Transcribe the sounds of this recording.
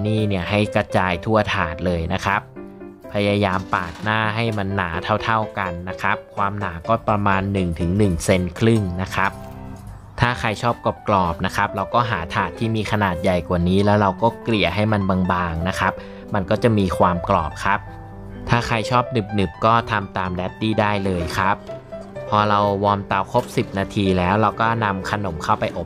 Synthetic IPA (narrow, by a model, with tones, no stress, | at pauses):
niː˥˩ni˥˩əɦa˥˩jkɾa˧t͡ɕaː˧jt̪ʰu˥˩ɐt̪ʰaː˨˩t̪̚lɤː˧jna˦˥kʰa˦˥p̚ʰː | a˧jaː˧jaː˧mpaː˨˩t̪̚naː˥˩ɦa˥˩jma˧nːaː˩˦t̪ʰa˥˩wt̪ʰa˥˩wka˧nːa˦˥kʰa˦˥p̚kʰwaː˧mnaː˩˦kɔː˥˩pɾa˧maː˧nːɯ˨˩ŋt̪ʰɯ˩˦ŋnɯ˨˩ŋse˧nkʰɾɯ˥˩ŋna˦˥kʰa˦˥p̚ | t̪ʰaː˥˩kʰa˧jt͡ɕʰɔː˥˩p̚ko˨˩p̚klɔː˨˩p̚na˦˥kʰa˦˥p̚ɾa˧wkɔː˥˩ɦaː˩˦t̪ʰaː˨˩t̪ʰːiː˥˩miː˧kʰa˧naː˨˩t̪̚ja˨˩jkwaː˨˩niː˦˥lɛː˦˥wɾa˧wkɔː˥˩kli˨˩əɦa˥˩jma˧nbaː˧ŋbaː˧ŋna˦˥kʰa˦˥p̚ | ma˧nkɔː˥˩t͡ɕa˨˩ʔmiː˧kʰwaː˧mklɔ̰ː˨˩p̚kʰa˦˥p̚ | t̪ʰaː˥˩kʰa˧jt͡ɕʰɔː˥˩p̚nɯ˨˩p̚nɯ˨˩p̚kɔː˥˩t̪ʰa˧mt̪aː˧mdɛː˦˥t̪̚ːiː˥˩daː˥˩jlɤː˧jkʰa˦˥p̚pʰːɔː˧ɾa˧wwɔː˧mt̪a˧˩wkʰo˦˥p̚si˨˩p̚naː˧t̪ʰiː˧lɛː˦˥wɾa˧wkɔː˥˩na˧mkʰa˧no˨˩˦mkʰa˥˩wpa˧jʔo˨˩p̚